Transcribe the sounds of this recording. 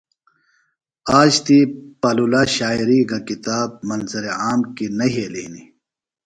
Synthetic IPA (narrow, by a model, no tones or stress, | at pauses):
aːd͡ʑt̪ipɐlulaɕaːjɾiɡakit̪aːb̚mɐnzɐɾeaːmkinɐɦeːliːni